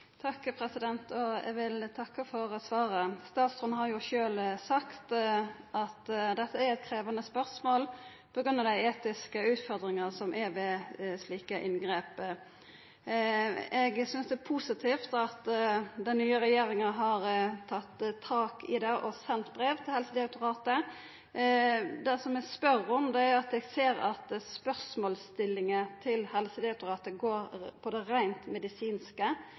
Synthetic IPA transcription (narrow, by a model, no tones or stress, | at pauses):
t̪ʰɑkːpʰɾɛsɪd̪ɛnt̪ɔɛ̰ɡʋɪlt̪ʰɑkːəfɔɾsʋɑːɾəst̪ɑːt̪sɔnhɑɾjʊʃøːlsɑkt̪ʔɑt̪d̪ɛt̪ːəæɾɛt̪̚kʰɾeːʋɑnəspœʁsmoːl | pʰɔɡʁʉnːɑɾd̪æɪeːt̪ɪskəʉːt̪fɔɾd̪ɾɪŋəsɔmʔɛʋɛsliːkəʔɪnɡɾeːp | ɛɡsʏnsd̪ɛːpʰusɪt̪ʰiːft̪ɑt̪d̪ɛnnyːəɾɛjeːɾɪŋəɦɑɾt̪ʰɑt̪ːt̪ʰɑːkʰɪd̪ɛʔɔsɛnt̪bɾeːʋt̪ʰɪlhɛlsəd̪ɛɑk̚t̪ʊɾɑːt̪ə | d̪ɛsɔmɛɡspœɾɔmd̪ɛæʊɑt̪ɛɡseːɾɑ̰t̪spœʁsmoːlst̪ɪlːɪŋət̪ʰɪlhɛlsəd̪ɛɑt̪ʊɾɑːt̪əɡoːɾpʰɔd̪ɛɾæɪnt̪mɛd̪ɪsiːnskə